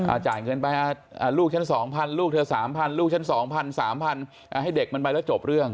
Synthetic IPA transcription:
ʔʔa̰ː˨˩t͡ɕa̰ː˨˩jkɤː˧npa˧jʔaː˧˩ʔaː˧˩luː˥˩t͡ɕʰa˦˥nsɔː˩˦ŋpʰa˧nluː˥˩k̚t̪ʰɤː˧saː˩˦mpʰa˧nluː˥˩k̚t͡ɕʰnsɔː˩˦ŋpʰa˧nsaː˩˦mpʰa˧n | ʔa˧˩ɦa˥˩jde˨˩k̚ma˧npa˧jlɛː˦˥˩t͡ɕo˨˩p̚ɾɯ˥˩əŋ

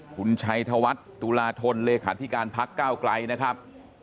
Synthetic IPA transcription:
kʰu˧nt͡ɕʰa˧jt̪ʰa˧wa˦˥t̪̚ːu˧laː˧t̪ʰo˧nleː˧kʰaː˩˦t̪ʰi˦˥kaː˧npʰa˦˥kːaː˥˩wkla˧jna˦˥kʰɾa˦˥p̚

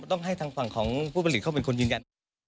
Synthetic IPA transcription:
t̪ɔ˥˩ŋɦa˥˩jt̪ʰaː˧ŋfa˨˩ŋkʰɔː˩˦ŋpʰuː˥˩pa˧li˨˩t̚ʰa˥˩pe˧nkʰo˧nɯː˧nja˧n

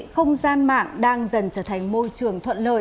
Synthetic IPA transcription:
xə˧wŋ͡mzaː˧nma̰ː˧˨ŋɗaː˧ŋzə˨˩nt͡ɕəː˧˩t̪ʰa˨˩ŋ̟mo˧jt͡ɕɨ˨˩əŋt̪ʰwə̰˧˨nlə̰ː˧˨

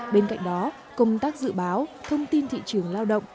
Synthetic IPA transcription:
ɓe˧nka̰˧˨jŋ̟ɗɔ˨˦ | kə˧wŋ͡mt̪aː˦˥k̚zɨ̰˧˨ɓaː˨˦wt̪ʰə˧wŋ͡mt̪i˧nt̪ʰḭ˧˨t͡ɕɨ˨˧˩əŋlaː˧wɗə̰˧˨wŋ͡m

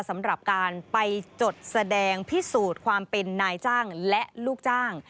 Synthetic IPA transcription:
sa˩˦mɾa˨˩p̚kaː˧npa˧jt͡ɕo˨˩t̪̚sa˧dɛː˧ŋpʰi˦˥suː˨˩t̪̚kʰwaː˧mpe˧nːaː˧jt͡ɕaː˥˩ŋlɛ˦˥ʔluː˥˩k̚t͡ɕaː˥˩ŋ

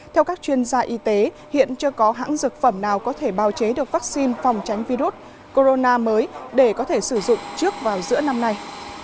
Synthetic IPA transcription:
t̪ʰɛ˧wkaː˦˥k̚t͡ɕwi˧ənzaː˧ʔi˧t̪e˨˦ | hḭ˧˨ənt͡ɕɨ˧kɔ˨˦ɦa̰ː˧˥ŋzɨ˨˩k̚fə˧˩mnaː˨˩wkɔ˨˦t̪ʰe˧˩ɓaː˨˩wt͡ɕe˨˦ɗɨ˨˩ək̚vaː˦˥k̚si˧nfa˨˩wŋ͡mt͡ɕa˨˦jŋ̟vi˧ɾu˦˥t̚ | ko˧zo˧naː˧məː˨˦jɗe˧˩kɔ˨˦t̪ʰe˧˩sɨ˧˩zʊ̰˧˨ŋ͡mt͡ɕɨ˦˥ək̚vaː˨˩wzɨ̰˧˥əna˧mna˧j

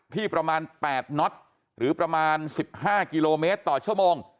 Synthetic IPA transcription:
t̪ʰiː˥˩pɾa˧maː˧npɛː˨˩t̪̚nɔ˦˥t̪̚ | ɾɯː˩˦pɾa˧maː˧nsi˨˩p̚haː˥˩ki˧loː˧meː˦˥t̪ːɔː˨˩t͡ɕʰu˥˩əmoː˧ŋ

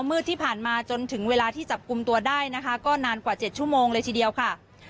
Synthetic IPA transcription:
wmɯ˥˩t̪ʰːiː˥˩pʰaː˨˩nmaː˧t͡ɕo˧nt̪ʰɯ˩˦ŋweː˧laː˧t̪ʰiː˥˩t͡ɕa˨˩p̚ku˧mt̪u˧ɐdaː˥˩jna˦˥kʰa˦˥kɔː˥˩naː˧nkwaː˨˩t͡ɕe˨˩t̪̚t͡ɕʰu˥˩˨moː˧ŋlɤː˧jt̪ʰiː˨˩di˧əwkʰa˥˩

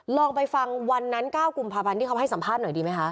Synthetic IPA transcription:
lɔː˧ŋpa˧jfa˧ŋwa˧nːa˦˥nkaː˥˩wku˧˩mpʰaː˧pʰa˧nt̪ʰiː˥˩kʰwɦa˥˩jsa˩˦mpʰaː˥˩t̪̚nɔ˨˩˦jdiː˧ma˦˥jkʰa˦˥ʔ

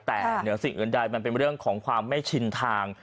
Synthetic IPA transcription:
t̪ɛː˨˩nɯ˩˦ɐsi˨˩ŋʔɯ̰ː˨˩˦nda˧jma˧np̬e˧nɾɯ˥˩əŋkʰɔː˩˦ŋkʰwaː˧mːa˥˩jt͡ɕʰi˧nt̪ʰaː˧ŋ

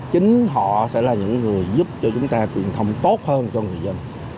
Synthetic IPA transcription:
t͡ɕï˨˦ŋ̟ɦɔ̰˧˨sɛ̰˧˥laː˨˩ɲɨ̰˧˥ŋːɨ˨˩əjzʊ˦˥p̚t͡ɕɔ˧t͡ɕʊ˨˦ŋ͡mt̪aː˧t͡ɕwi˨˩ənt̪ʰə˧wŋ͡mt̪o˦˥t̚həː˧nt͡ɕɔ˧ŋɨ˨˩əjzə˧n

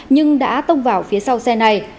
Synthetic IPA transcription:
ɲɨ˧ŋɗa̰ː˧˥t̪ə˧wŋ͡mvaː˨˩wfi˨˦əsa˧wsɛ˧na˧j

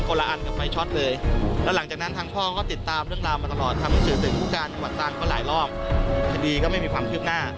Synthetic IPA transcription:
koː˧la˧ʔa˧nka˨˩pfa˧jt͡ɕʰɔ˦˥˩t̪̚lɤː˧jlɛː˦˥wla˩˦ŋt͡ɕaː˨˩kna˦˥nt̪ʰaː˦˥ŋpʰɔː˥˩kɔː˥˩t̪i˨˩t̪ːaː˧mɾɯ˥˩əŋɾaː˧wmaː˧t̪a˧lɔː˨˩t̪ʰːa˧mha˧˥ŋsɯː˨˩˦t̪sʰɯ˨˩˦ŋkʰuː˥˩kaː˧nt͡ɕa˧wa˨˩t̪ːaː˧ŋkɔː˥˩la̰ː˩˦jlɔː˥˩p̚k̪ʰa˧diː˧kɔː˥˩ma˥˩jmiː˧kʰwaː˧mkʰɯː˥˩p̚naː˥˩

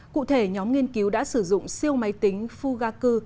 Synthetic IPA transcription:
kṵ˧˨t̪ʰe˧˩ɲɔ˨˦mŋi˧ənki˨˦wɗa̰ː˧˥sɨ˧˩zʊ̰˧˨ŋ͡msi˧əwma˨˦jt̪ï˨˦ŋ̟fu˧ɣaː˧kɨ˧

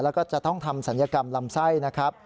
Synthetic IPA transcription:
lɛ˦˥wkɔː˥˩t͡ɕa˨ʔt̪ɔ˥˩ŋt̪ʰa˧msa˩˦njaː˧ka˧mla˧msa˥˩jna˦˥kʰɾa˦˥p̚

